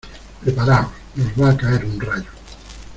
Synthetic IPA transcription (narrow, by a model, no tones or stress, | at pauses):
pɾepaɾaosnozmaɾkaɛɾunrajʊ